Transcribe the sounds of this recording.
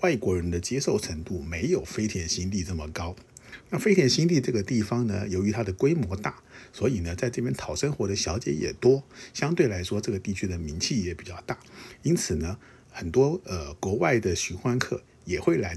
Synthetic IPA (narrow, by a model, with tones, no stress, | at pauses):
wa˥˩ɪkwɔ˧˥ɻə˧˥nd̪ə˧t͡ɕjɛ˥ʂo˥˩ʊʈ͡ʂʰə˧˥ŋt̪u˥˩me˧˥ɪjo˨˩ʊfe˥ɪt̪ʰjɛ˧˥nɕi˥nt̪i˥˧ʈ͡ʂɤ˥˩mə˩kɑ˥ʊna˥˩fe˥ɪt̪ʰjɛ˧˥nɕi˥nt̪i˥˧ʈ͡ʂɤ˥˩ɡə˩t̪i˥˩fɑ˥ŋnə̰˧˨jo˧˥ʊy˧˥t̪ʰa˥d̪ə˨kwe˥ɪmwɔ˧˥t̪a˥˩swɔ˧˥i˨˩nə˦t͡sa˥˧ɪʈ͡ʂɤ˥˩pjɛ˥nt̪ʰɑ˨˩ʊʂə˥nxwɔ˧˥ɾə˧ɕjɑ˧˥ʊt͡ɕjɛ̰˧˥jɛ̰˨˩t̪wɔ˥ɕjɑ˥ŋt̪we˥˩ɪla˧˥ɪʂwɔ˥ʈ͡ʂɤ˥˩ɡə˩t̪i˥˩t͡ɕʰy˥d̪ə˨mi˧˥ŋt͡ɕʰi˥˩jɛ˨˩pi˨˩t͡ɕjɑ˥˧ʊt̪a˥˩i˥nt͡sʰɹ̩˨˩nə˦ | xə˨˩nt̪wɔ˥ə˧˩kwɔ˧˥wa˥˩ɪd̪ə˩ɕy˧˥xwa˥nkʰɤ̰˥˩ | jɛ˨˩xwe˥˩ɪla˧˥ɪ